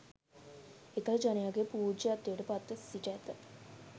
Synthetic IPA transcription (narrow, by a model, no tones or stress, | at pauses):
ekələd͡ʒanejaɡepuːd͡ʒəat̪ːejəʈəpat̪ːəsiʈæt̪ə